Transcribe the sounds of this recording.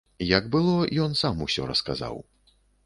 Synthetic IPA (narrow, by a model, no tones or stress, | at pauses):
jɐɡbɨlˠɔjɔnsamusʲɔ̰ɾɐ̰skaza̰w